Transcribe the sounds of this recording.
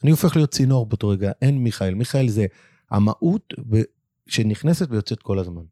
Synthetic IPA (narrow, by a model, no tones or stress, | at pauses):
aniofe̞χlijo̞t̚t͡sinoaʁbeot̪oʁeɡaʔenmiχaelmiχaelze̞ | ha̰ma̰ʔut̪ve | ʃeniχne̞setvejo̞t͡se̞t̪̚ko̞lazman